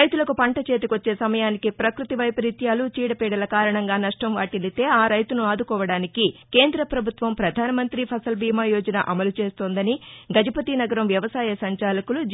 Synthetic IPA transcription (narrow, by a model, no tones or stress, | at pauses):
ɐjt̪ulɐkupɐɳʈɐt͡ʃe̞ːt̪ikʋɐt͡ʃːe̞ːsɐmɐjaːnikipɾɐkɾut̪iʋɐjpɐɾit̪jaːlut͡ʃiːɽɐpɛːɽɐlɐkaːɾɐɳɐŋɡaːnɐʂʈɐmʋaːʈilit̪e̞ːaːɾɐjt̪unuaːd̪ukɔːʋɐɽaːnikike̞ːnd̪ɾɐpɾɐbʱut̪ʋɐmpɾɐd̪ʱaːnɐmɐnt̪ɾipʰɐsɐlbiːmaːjoːd͡ʒɐna̰ʔɐmɐlut͡ʃe̞ːst̪o̞ːnd̪ɐniɡɐd͡ʒɐpɐt̪inɐɡɐɾɐmʋjɐʋɐsaːjɐsɐɲt͡ʃaːlɐkulud͡ʒ